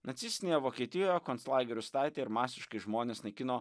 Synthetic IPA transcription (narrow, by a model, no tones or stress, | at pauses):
nɐt̪sʲɪsʲt̪ʲɪneːjɛʋoːkʲiɛt̪ʲɪjoːjɛkɔnslˠɑːɡʲɛɾʲʊst̪ɑˑɪt̪ʲeːɪɾmɑːsʲɪʃkɐɪʒmoːnʲeːsnɐkʲɪnoː